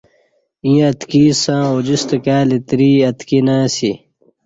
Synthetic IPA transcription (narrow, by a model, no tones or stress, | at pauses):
ĩːɐt̪kiːsãːod͡ʑist̪ɐkaːlit̪ɾiːɐt̪kinãːsi